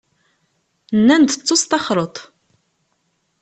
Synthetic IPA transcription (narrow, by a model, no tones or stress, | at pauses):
nːænd̪ət͡sːost̪ˤɑχɾˤət̪ˤ